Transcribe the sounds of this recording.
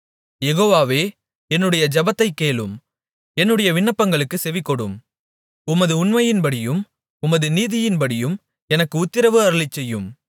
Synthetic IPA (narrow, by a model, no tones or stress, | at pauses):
jɛɣoːʋaːʋeː | ɛnːɯɽɐjɐd͡ʒɐbɐt̪ːɐɪkːeːɭɯ̰m | ɛnːɯɽɐjɐʋɪɳːɐpːɐŋɡɐɭɯkːɯsɛʋɪkːɔɽɯ̰m | ʊmɐðɯʊnmɐjɪnbɐɽɪjɯm | ʊmɐðɯniːðɪjɪnbɐɽɪjɯm | ɛnɐkːɯʊt̪ːɪɾɐʋɯɐɾɯɭɪt͡ʃːɛjːɯm